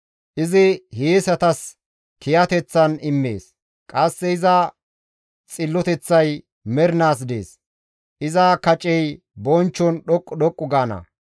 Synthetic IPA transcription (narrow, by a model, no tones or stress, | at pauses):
ʔɪzɪheːsɐt̪ɐs | kɪjɐt̪ɛt͡sːɐnɪmːḛːs | kʼɐsːɛɪzɐ | t͡sʼɪlːɔt̪ɛt͡sːɐj | mɛɾɪnaːs̬d̪ḛːs | ʔɪzɐkɐt͡ʃʼɛj | bɔnt͡ʃːɔnɗɔkʼːɔɗɔkʼːʊɡaːnɐ̰